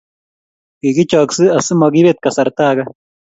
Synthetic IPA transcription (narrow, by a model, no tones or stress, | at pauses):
kiɡit͡ʃaːksɨɐsɨmɐɡibet̪̚kɐsɐɾt̪aːɡa